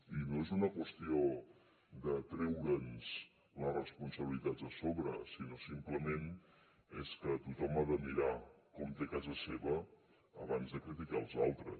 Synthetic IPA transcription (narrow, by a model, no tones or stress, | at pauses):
inoezunəkwəst̪io | d̪ət̪ɾɛwɾənz | lərəspunsəβilit̪ad͡zəsoβɾə̰sinosimpləmen | eskət̪ut̪ɔmaðəmiɾakɔmt̪ekazəseβəː | βanzðəkɾit̪̬ikalˠzalˠt̪ɾə̰s